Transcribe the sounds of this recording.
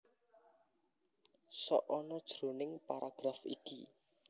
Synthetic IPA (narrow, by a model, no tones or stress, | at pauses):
sɔ̰ʔɔnɔd̥ʒ̥ɾonɪŋpaɾaɡ̥ɾafḭki